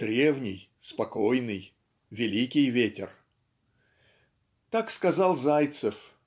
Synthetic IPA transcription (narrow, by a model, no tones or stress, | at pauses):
d̪̥ɾʲe̞vnʲɪj | spɐkojnɨj | vʲɪlʲikʲɪjvʲetʲɪ̰r | t̪akskɐzalˠzajt̪səf